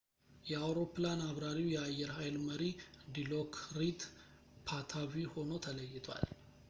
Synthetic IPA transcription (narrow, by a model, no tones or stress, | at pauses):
jɛawɾo̞planaβɾaɾiwjɛajːɛɾhajlməɾid̪ilokʰɾid̪ | pʰat̪ʰaβiho̞not̪ʰələjːɪt̪ʰwa̰l